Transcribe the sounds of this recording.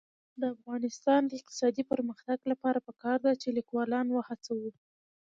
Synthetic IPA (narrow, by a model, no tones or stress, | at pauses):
d̪əafɣɑnɪst̪ɑnd̪əɪq̚t̪ɪ̥sɑd̪ipəɾməxt̪aɡlapɑɾapəkɑɾd̪at͡ʃelikwɑlɑnwəhat͡sawə